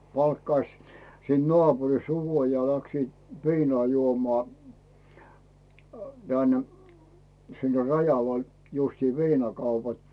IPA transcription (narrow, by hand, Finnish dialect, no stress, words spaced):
pɑlkːɑĭs siːnt̆ nŏɑˑpurist̆ uko jɑ læksiːt ʋiːno̥ɑˑ juomo̥ɑˑ d̥æn sinːe rɑjɑʋɑl justiː ʋiːnɑkɑupɑt